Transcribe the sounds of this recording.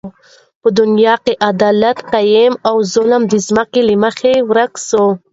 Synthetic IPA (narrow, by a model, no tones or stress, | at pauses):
pəd̪ʊnjɑkeʔad̪ɑlat̪qajemawzʊləmd̪izməkeliməxewɾakso